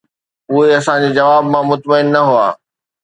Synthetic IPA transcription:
ʊɦeɐsãd͡ʑeːd͡ʑɐʋaːbmãmʊt̪məɪnːɐɦuaː

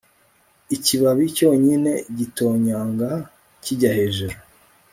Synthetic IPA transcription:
iciβaβico̞ːɲine̞ɟito̞ːɲaːŋɡa | ciɟaheʒeɾo

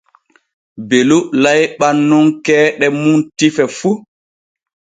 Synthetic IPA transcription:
belulajɓanːuŋkɛːɗɛmuntifɛfu

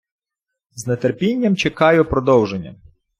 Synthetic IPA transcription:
znet̪erpʲinʲːɐmt͡ʃekɑjʊpɾɔd̪ɔwʒenʲːɐ̰

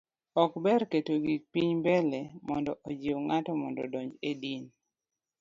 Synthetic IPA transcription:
ɔkbɛɾketoɡipiɲbɛlemɔndɔʔod͡ʒiwŋatɔmɔndɔ̰dɔɲd͡ʒedin

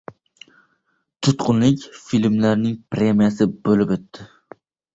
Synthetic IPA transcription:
t̪ʰʊt̪qʰʊnlɪkʲfilmlaɾnɪŋpɾemijasɪbolɪpɵt̪ʰːɪ

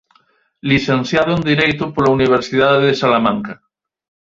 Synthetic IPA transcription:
liθẽnθjaðoend̪iɾejt̪opolauniβ̞eɾsiðaðeðesalamãŋka

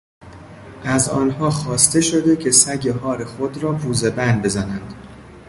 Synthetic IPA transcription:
ʔæzɒ̰ːnɦɒːxɒːst̪e̞ʃo̞d̪e̞cʰesæɟeɦɒːɾe̞xod̪ɾɒːpʰuːze̞bænd̪be̞zænænd̪

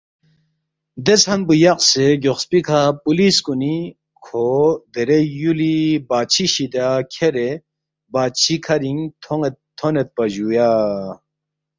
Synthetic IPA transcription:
d̪eshɐnbujaqseɡoχspikʰapuliskuni | kʰod̪eɾejulibat͡ɕʰiɕid̪akʲʰeɾe | baːt͡ɕʰikʰɐɾiŋt̪ʰoŋet̪t̪ʰːonet̪̚pɐʑuja

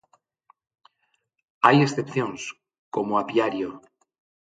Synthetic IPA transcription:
aje̞sθe̞pθjo̞ns | ko̞moapjaɾjo

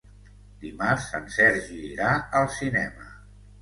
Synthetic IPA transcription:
d̪imarsə̰nsɛɾʒiːɾaəlˠsinɛmə

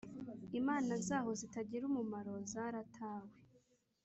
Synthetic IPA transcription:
imaːnazaːɦo̞zitaɟiɾumumaɾo̞zaɾatʰaːwe

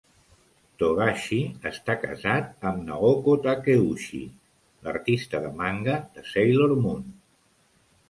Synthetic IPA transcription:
t̪oɣaʃiəst̪akə̰zat̪̚əmnəɣokot̪akeuʃḭ | lə̰ɾt̪ist̪əðəmaŋɡəðəsejloɾmun

